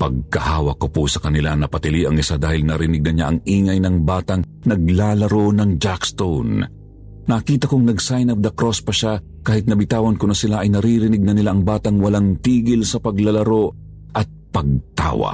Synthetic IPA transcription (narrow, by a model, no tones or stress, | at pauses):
pɐɡ̚kɐhaːwɐkːoposɐkɐnɪlanɐpɐt̪ɪliʔɐŋɪsad̪aːhɪlnɐɾɪnɪɡ̚nɐɲaʔɐŋiːŋɐjnɐŋbaːt̪ɐŋ | nɐɡlaːlɐɾonɐŋd͡ʒakst̪on | nɐkiːt̪ɐkoŋnɐɡsajnɐvd̪ɐkɾospɐʃa | kaːhɪt̪̚nɐbɪt̪aːwɐnkonɐsɪlaʔɐjnɐɾiɾɪnɪɡ̚nɐnɪlaʔɐŋbaːt̪ɐŋwɐlaŋt̪iːɡɪlsɐpɐɡlɐlɐɾo̞ | ʔɐt̪̚pɐɡ̚t̪a̰ːwɐ̰